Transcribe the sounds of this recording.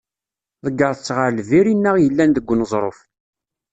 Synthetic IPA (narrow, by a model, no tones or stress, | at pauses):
ðəɡːəɾˤt͡sːʁaɾlviɾinːəʁjəlːænðəɡʷːnəzˤɾˤof